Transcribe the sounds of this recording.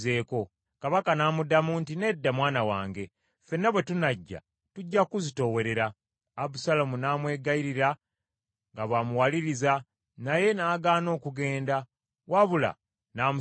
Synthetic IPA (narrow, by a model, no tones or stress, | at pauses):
ze̞ːko̞ | kaβakanaːmudamuːntine̞dːamwaːnawaːŋɡe̞ | fe̞nːeβwe̞tunaɟːa̰ | tuɟːakuzito̞we̞ɾe̞ɾaː | busalamunaːmwe̞ːɡaiɾiɾa | ŋɡaβamuwaliɾiza | naje̞naːɡaːno̞ːkuɡe̞ːnda | waβula̰ | naːmu